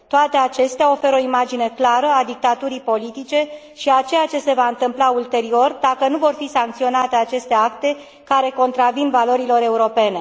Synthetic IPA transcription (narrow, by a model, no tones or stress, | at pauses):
t̪oat̪e̞at͡ʃe̞st̪eao̞fe̞ɾo̞imad͡ʒine̞klaɾəad̪ik̚t̪at̪uɾipo̞lit̪it͡ʃe̞ | ʃiat͡ʃe̞jat͡ʃe̞se̞vaɨnt̪ɨmplault̪e̞ɾio̞rd̪akənuvo̞rfisaŋk̚t̪sio̞nat̪e̞at͡ʃe̞st̪e̞akt̪e̞ | kaɾe̞ko̞nt̪ɾavinvalo̞ɾilo̞ɾe̞uɾo̞pe̞ne̞